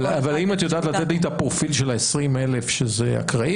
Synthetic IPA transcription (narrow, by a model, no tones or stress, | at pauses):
avalimat̪jod̪aːt̪lat̪et̪ijt̪apʁofilʃelaesʁime̞lefʃezea̰kʁai